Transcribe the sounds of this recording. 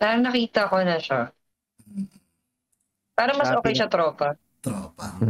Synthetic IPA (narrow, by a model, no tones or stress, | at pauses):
paːɾɐŋnɐkiːt̪ɐɐko̞nɐʃa | paːɾɐŋmɐsʔoːkɛjʃɐt̪ɾoːpɐ | t̪opa